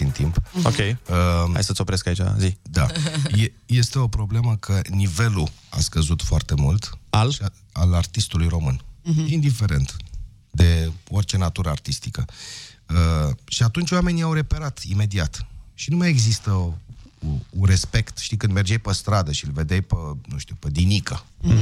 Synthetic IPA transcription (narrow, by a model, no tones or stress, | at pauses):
int̪impokʲejəa̰jsət̪sʲo̞pɾeskait͡ʃa̰zid̪a̰je | je̞st̪e̞o̞pɾo̞ble̞məkʰənive̞lua̰skəzut̪foart̪e̞mult̪alʃ | alart̪ist̪ulujro̞mɨnind̪ife̞ɾe̞̰nt̪ | d̪e̞o̞rt͡ʃe̞nat̪uɾəart̪ist̪ikə | əʃiat̪unt͡ʃʲwame̞niawɾe̞peɾat̪ime̞d̪iat̪ʃinumaje̞ɡzist̪əounre̞spe̞kt̪ʃt̪ikɨnd̪me̞rd͡ʒejpəst̪ɾad̪əʃiɨlve̞d̪ejpənũʃt̪upəd̪inikə